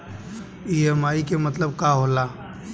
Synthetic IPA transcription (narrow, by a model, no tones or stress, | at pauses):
iːəmaːikemɐt̪ləb̚kaːɦolaː